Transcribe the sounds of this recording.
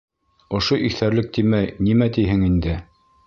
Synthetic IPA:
ŏʃoʔikθæɾlɘk̚t̪imæjnimæt̪iɦɘŋind̪ɘ

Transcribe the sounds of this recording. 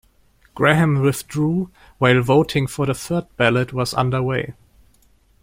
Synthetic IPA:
ɡ̥ɹɛɦɨ̃mwɪθdɹuː | waɪlˠvoʊtʰɪ̃ŋfə˞ðəθɜ˞d̚b̥ælət̚wʌzʌ̰̃ndə˞weɪ

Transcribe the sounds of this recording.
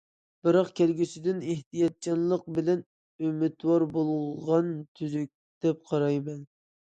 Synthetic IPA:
b̥ɨɾɑqkʲʰælɡʲysɪd̪ɪneht̪ijɑt̪̚t͡ʃɑnlˠəq̚bɪlɛn | ymɪt̪wɑɾbolˠʁɑnt̪ʰyzyk̚ʲ | d̪̥ɛp̚qʰɑɾɑjmɛn

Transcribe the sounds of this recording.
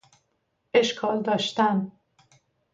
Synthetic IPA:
ʔeʃkʰɒːld̪ɒːʃt̪æm

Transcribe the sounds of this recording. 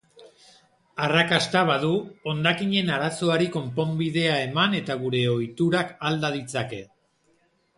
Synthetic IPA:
arakast̪aβaðuo̞nd̪akiɲe̞naɾaso̞aɾiko̞mpo̞mbiðe̞ae̞mane̞t̪aɣ̞uɾe̞o̞jt̪uɾakald̪að̞it͡sake̞

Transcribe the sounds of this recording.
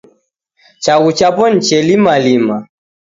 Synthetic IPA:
t͡ʃaɣut͡ʃapɔn̩t͡ʃɛlimalima

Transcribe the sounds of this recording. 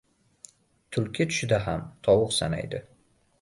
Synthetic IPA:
t̪ʰʊlˠkʲɪt̪ʰʊ̥ʃɪd̪aɦamt̪ʰɒwʊqsana̰jd̪ɪ

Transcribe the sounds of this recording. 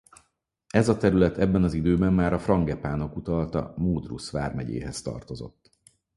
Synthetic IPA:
ɛzɒt̪ɛɾylɛt̪ɛbːɛnɒzid̪øːbɛmːaːɾɒfrɒŋɡɛpaːno̞kut̪ɒlt̪ɒ̰moːd̪rṵsʋa̰ːrmɛɟḛːɦɛst̪ɒ̰rt̪o̞zo̞̰t̪ː

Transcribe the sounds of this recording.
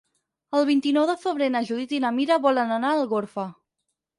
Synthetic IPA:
əlˠβint̪inɔwðəfəβɾenəʒuðit̪inəmiɾəβɔlənənaːlˠɣoɾfə

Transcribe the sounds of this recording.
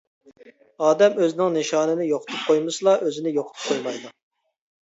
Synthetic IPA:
ɑːd̪ɛmøznɪŋneʃɑːnɪnɪjoqʰʊ̥t̪ʰʊp̚qʰojmɨsɨlˠɑʔøzɪnɪjoqʰʊt̪ʰp̚qʰojmɑjd̪u

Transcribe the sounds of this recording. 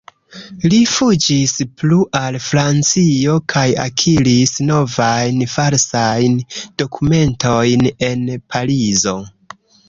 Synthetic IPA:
lifud͡ʒispluʔalfɾant͡sio̞kʰaja̰kʰiɾisno̞vajnfalsajnd̥o̞kʰume̞ntʰo̞jne̞npʰaɾizo̞

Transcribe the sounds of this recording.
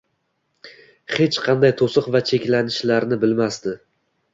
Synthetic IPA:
he̞t͡ʃqʰɑnd̪ajt̪ʰosɨqvat͡ʃʰe̞kʲlanɪʃlaɾnɪbɪlmast̪ɪ

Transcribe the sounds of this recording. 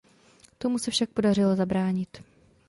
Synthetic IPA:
t̪o̞musɛfʃak̚po̞dar̝ɪlo̞zabɾaːɲɪt̪

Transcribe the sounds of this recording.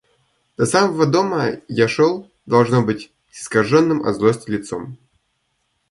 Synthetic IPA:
d̪̥ɐsamɐvəd̪oməjaʂolˠ | d̪ɐlˠʐnobɨtʲ | ɪskɐʐonːɨmɐ̰zlˠosʲtʲɪlʲɪt̪so̰m

